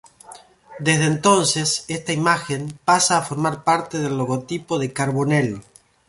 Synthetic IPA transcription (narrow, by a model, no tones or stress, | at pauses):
d̪ezðeːnt̪o̞nsesest̪aimaxempasaːfo̞ɾmaɾpaɾt̪eð̞e̞lːoɣo̞t̪ipo̞ðekaɾβo̞nel